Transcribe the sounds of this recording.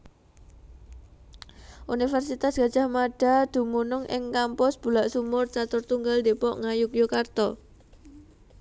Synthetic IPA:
ʔunifɛrsit̪asɡ̥a̤d̥d͡ʒʒ̥a̤hmaɖ̥a̤d̪̥ṳmunʊŋʔɪ̰ŋkampɔsb̥ulaʔsumʊrt͡ʃat̪ʊrt̪uŋɡald̪epɔʔŋajʊkjokart̪ɔ

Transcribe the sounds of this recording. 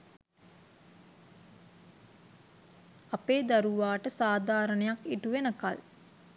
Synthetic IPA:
apeːd̪aɾuʋaːʈəsaːd̪ʱaːɾənəjakiʈuʋenəka̰l

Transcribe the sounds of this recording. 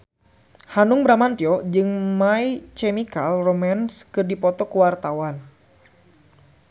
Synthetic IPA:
hanuŋbɾamant̪iɔd͡ʒɨŋmait͡ʃɛmikalromanskɨrdipɔt̪ɔkuwart̪awan

